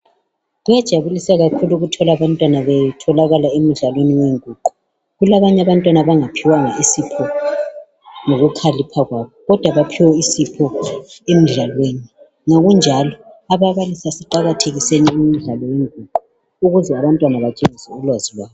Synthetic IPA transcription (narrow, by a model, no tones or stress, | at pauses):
ɣujad̥ʒ̥ʱaβulisaɣakʰuluɣutʰɔlaβantʼwanaβɛtʰɔlaɣalaem̩ɮalweniweŋuǃu | ɣulaβaɲaβantʼwanaβaŋapʰiwaŋaisipʰɔ | noɣukʰalipʰaɣwaːβɔɣɔd̥ʱwaβapʰiwɛisipʰɔemiɮalweːni | ŋaɣund͡ʒʱalɔ | aβaβalisasiǃaɣatʰeɣiseniumiɮalɔweŋuǃu | uɣuzɛaβantʼwanaβat͡ʃʼenisɛulwazilwaːjɔ